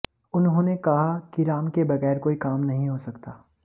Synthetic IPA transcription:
ʊnɦõːnekɐɦakiɾaːmkebɐɣɛːɾkoːikaːmnɐɦĩɦosɐkt̪aː

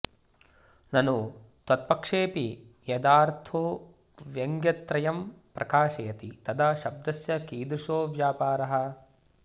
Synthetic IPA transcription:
nɐnu | t̪ɐt̪̚pɐkʂeːpijɐd̪aːɾt̪ʰoː | ʋjɐŋɡjɐt̪ɾɐjɐmpɾɐkaːʃɐjɐt̪it̪ɐd̪aʃɐb̚d̪ɐsjɐkiːd̪ɾuʃoːʋjaːpaːɾɐɦɐ̆

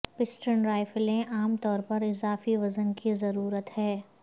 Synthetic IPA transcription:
pɪsʈənɾaːɪfəlẽʔaːmt̪ɔːɾpɐɾɪzaːfiʋɐzənkizɐɾuːɾət̪hɛː

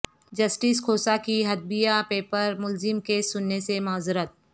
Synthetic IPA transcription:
d͡ʒɐsʈiskʰoːsakiɦɐd̪̚bijapeːpəɾmʊlzɪmkesʊnːesemaːzɾət̪̚

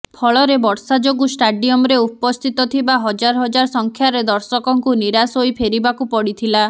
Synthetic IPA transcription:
pʰɔɭɔɾebɔɽsad͡ʒoɡusʈaɖiɔmɾeupɔst̪ʰit̪ɔt̪ʰibaɦɔd͡ʒaɾɔɦɔd͡ʒaɾsɔŋkʰjaɾed̪ɔɾsɔkɔŋkuniɾasojpʰeɾibakupɔɽit̪ʰila

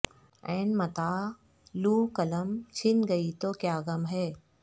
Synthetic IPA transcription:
ɛ̃ːnmɐt̪aː | luːkɐləmt͡ʃʰɪnɡɐit̪okjaːɡɐmɦɛː

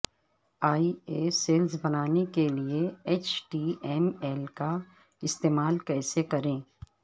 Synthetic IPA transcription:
aːieːseːlzbɐnaːnekelieeːt͡ʃʈiːɛmɛlka | ɪst̪eːmaːlkɛːsekɐɾẽː

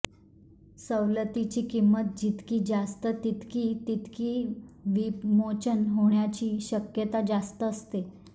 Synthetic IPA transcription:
səʋlət̪it͡ɕiːkimːət̪̚d͡ʑit̪kiːd͡ʑast̪ət̪it̪kiːt̪it̪kiːʋimot͡ɕənɦoɳjat͡ɕiːɕəkjət̪ad͡ʑast̪əːst̪e

